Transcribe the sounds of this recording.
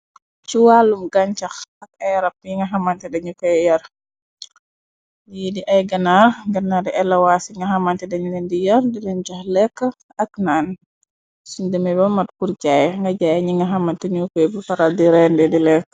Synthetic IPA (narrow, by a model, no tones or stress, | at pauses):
t͡ʃuwalumɡaɲt͡ʃaxak̚ajɾap̚iŋɡaɦamantɛdaɲukɔjjɐɾ | jidiʔajɡɐnaɡanːadɛʔɛlawasiŋɡaɦamantɛdaɲunɛndijɐɾdilɛɲt͡ʃaxlɛkːə | aknan | sundɛmɛbamat̚kuɾɟajŋɡad͡ʒajaɲiŋɡaɦamantɛɲukɔjbufaɾaldiɾɛndɛdilɛkː